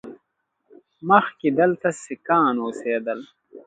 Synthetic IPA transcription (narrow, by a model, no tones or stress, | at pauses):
mɐxkid̪ɐlt̪ɐsekaːnoːseːd̪ɐl